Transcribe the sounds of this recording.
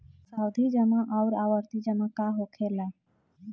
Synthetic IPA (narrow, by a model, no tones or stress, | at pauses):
sawd̪ʱid͡ʒəmãʔawɾaʋəɾt̪id͡ʒəmãkaɦokʰela